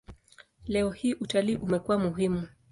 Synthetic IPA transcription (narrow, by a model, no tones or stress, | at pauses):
lɛɔhiːʔutaliːʔumɛkuwamuɦimu